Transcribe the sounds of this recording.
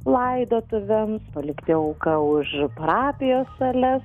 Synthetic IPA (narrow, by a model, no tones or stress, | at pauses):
lˠɐɪd̪oːt̪ʊʋʲɛmspɐlʲɪkt̪ʲɪɐʊkɐʊʃpɐɾɑːpʲɪjoːsɐlʲɛs